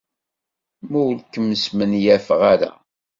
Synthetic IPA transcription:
muwlkːəmːəsmənjæfəʁaɾa̰

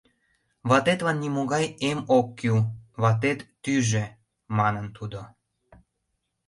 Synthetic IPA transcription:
βɑt̪et̪lɑnːimoɣɑjemokːywβɑt̪et̪ːyʒe | mɑnənt̪ʰud̪o

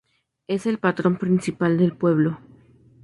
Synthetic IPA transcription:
e̞se̞lpat̪ɾo̞mpɾinsipald̪e̞lpwe̞β̞lo̞

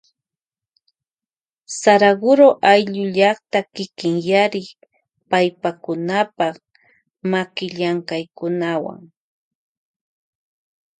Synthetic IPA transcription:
saɾaɡʊɾoʔajʎʊʎɑχt̪akɪkɪŋjaɾɪ | pajpakʊnapɑχ | makɪʎaŋkajkʊnawa̰ŋ

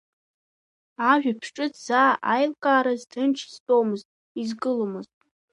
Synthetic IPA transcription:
aʒᶣapʰʂʈ͡ʂʼɨt͡sʰz̥aːʔajlkʼaːɾazdɨnʈ͡ʂʰstʼowmɨztʼ | izɡɨlomɨztʼ

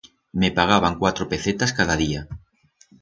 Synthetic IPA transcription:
mepaɣ̞aβ̞aŋkwat̪ɾopeθet̪askaðaðia

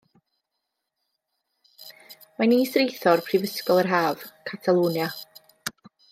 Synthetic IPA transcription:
maniːsrejθɔrpʰrɪvəskɔlˠərɦaːv̥kʰatʰalˠuːnja

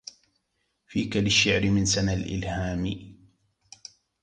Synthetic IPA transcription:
fiːkalɪʃːɪʕɾɪmɪnsanalʔɪ̰lhaːmɪ

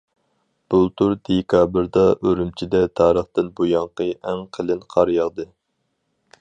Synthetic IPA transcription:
b̥ulˠt̪ʰuɾd̪̥ekʰɑbɨɾd̪ɑʔøɾymt͡ʃʰid̪ɛt̪ʰɑːɾəχt̪ɨnbujɑŋqəæŋqʰəlˠɪnqʰɑɾjɑʁd̪ɨ

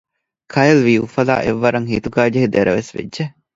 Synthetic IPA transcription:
kʰɐjelʋiːufɐla̰ːʔeʋːɐɾɐŋhiːt̪uɡæːd͡ʒeɦid̪eɾɐʋesʋḛdːʒe

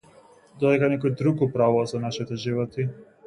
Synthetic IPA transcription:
d̪ɔd̪ɛkanɛkɔjd̪ɾukupɾavuvazanaʃit̪ɛʒivɔt̪i

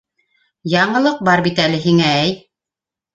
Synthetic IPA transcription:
jɑɴɤ̆lˠɤq̚bɑɾbit̪ælɘɦiŋææj

